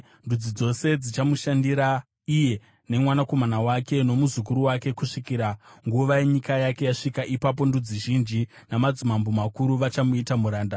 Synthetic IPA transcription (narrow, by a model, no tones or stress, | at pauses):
ndud͡zid͡zo̞se̞d͡zit͡ʃamuʃandiɾa | ije̞ | ne̞mwanako̞manawake̞no̞muzuk̬uɾuwake̞kuʂikiɾaŋɡuʋajeɲikajake̞jaʂikaʔipap̬o̞ndud͡ziʒind͡ʒi | namad͡zumambomakuɾuʋat͡ʃamuitamuɾaːnda